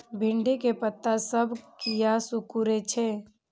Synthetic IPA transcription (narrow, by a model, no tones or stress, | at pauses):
bʱɪɳɖekepət̪ːasəbʱkijasukuɾet͡ʃʰɛ